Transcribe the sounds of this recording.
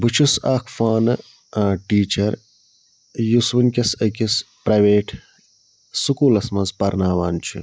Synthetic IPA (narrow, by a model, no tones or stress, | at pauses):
but͡ʃʰusaːkʰfaːnɨ | ʈiːt͡ʃɐɾ | juswinkʲɐsɐkʲis | pɾɐjʋeːʈ | sukuːlɐsmɐzpɐɾnaːʋaːnt͡ʃʰḭ